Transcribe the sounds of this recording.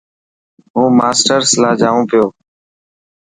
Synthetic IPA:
ɦũːmaːsʈəɾslaːd͡ʒaːʋũːpɪjoː

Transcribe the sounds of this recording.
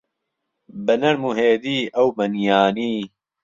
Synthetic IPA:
bɐnɐɾmuɦeːd̪iːʔɐwmɐnjaːniː

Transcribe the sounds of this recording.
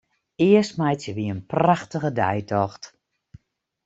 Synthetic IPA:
ɪəstmɛjtsjəʋiənpraxtəɣədɛ̰jtʰɔxt

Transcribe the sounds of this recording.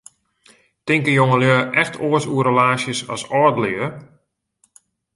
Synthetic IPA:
tɪŋkəjoŋəljøːʔɛxtʰoəsuəɾəlaːsjəsɔ̰sɔɹdəlɪə

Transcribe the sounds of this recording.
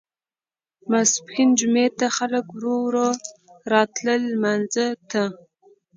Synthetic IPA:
maspxind͡ʒumet̪aχaləkwɾowɾoɾɑt̪ləlːmanzət̪ʰə

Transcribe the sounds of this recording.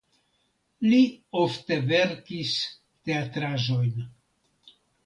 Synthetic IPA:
liofte̞ve̞ɾkis | te̞atɾaʒo̞jn

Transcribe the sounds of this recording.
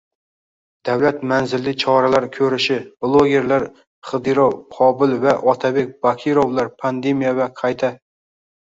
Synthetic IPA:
d̪̥æwlæt̪mænzɪlːɪt͡ʃʰɒɾalaɾkʲʰɵɾɪʃɪblˠoɡʲeɾlaɾ | χɨd̪ɨɾowqʰɒbɪlvɛʔɒt̪ʰabek̚ʲb̥ɑkʲʰiɾovlˠɑɾpʰand̪emijavɛqʰɑjt̪ʰa

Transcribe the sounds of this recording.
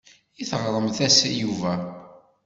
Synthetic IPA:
iθʁɾˤəmθæsæ̰juvæ

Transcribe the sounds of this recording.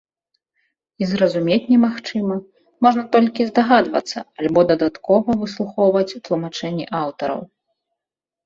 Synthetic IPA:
izɾɐzumʲet͡sʲnʲɛmaxt͡ʂɨmɐ | mɔʐnɐt̪ɔlʲkʲizd̪aɣad̪vɐ̰t̪sːɐ̰alʲbɔd̪ɐd̪at̪kɔvɐvɨslˠuxɔwvɐt͡sʲt̪lˠumat͡ʂɛnʲːḭʔawt̪ɐɾɐ̰w

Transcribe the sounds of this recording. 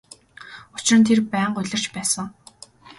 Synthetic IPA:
ʊt͡ɕ̆rə̆nt̪ʰerpæːɴɢʊɮʲɪ̆r̥t͡ɕpæːsə̆ŋ

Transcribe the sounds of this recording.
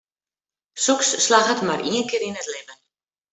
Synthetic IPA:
suksːlaɣətmarʔiənkɪːɾinətlɪmən

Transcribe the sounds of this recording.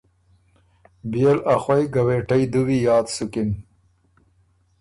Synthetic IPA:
bjelaxwajɡaweːʈajd̪uwijɑːt̪sukɪn

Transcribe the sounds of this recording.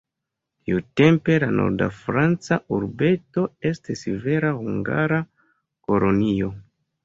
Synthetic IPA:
tiute̞mpe̞lano̰ɾda̰fɾant͡sauɾbe̞to̞e̞stisive̞ɾahuŋɡa̰ɾa | ko̞lo̞nio̞

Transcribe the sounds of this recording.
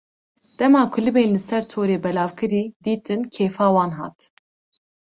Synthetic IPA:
d̪̥ɛmɑːkʰʊlɨbeːnlɨsɛɾt̪ʰoːɾeːbɛlɑːvkʰɨɾiːd̪iːt̪ʰɨnkʰeːfɑːwɑːnɦɑ̰ːt̪

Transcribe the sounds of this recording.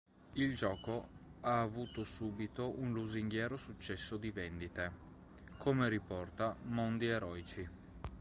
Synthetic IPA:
ild͡ʒɔːkoaːvuːt̪osuːbit̪oʔunluziŋɡjɛːɾosut͡ʃːɛsːod̪ivend̪it̪e | kʰomeɾipɔrt̪amond̪ieɾɔːjt͡ʃi

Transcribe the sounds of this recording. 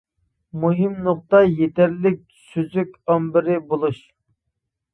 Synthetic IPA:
muɦimnoq̚t̪ɑjet̪ʰɛɾlɪk̚ʲ | søzykʲɑmbɪɾɪbolˠuʃ

